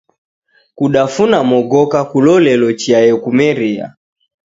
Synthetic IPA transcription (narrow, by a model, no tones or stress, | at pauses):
kuɗafunamɔɡɔkakulɔlɛlɔt͡ʃiajɛkumɛɾia̰